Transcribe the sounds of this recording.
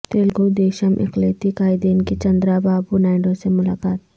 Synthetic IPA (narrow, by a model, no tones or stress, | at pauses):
t̪eːlɡod̪eːʃəmʔɪ̰qleːt̪ikaːɪd̪eːnket͡ʃɐ̃nd̪ɾabaːbunaːɪɳɖõsemʊlaːkaːt̪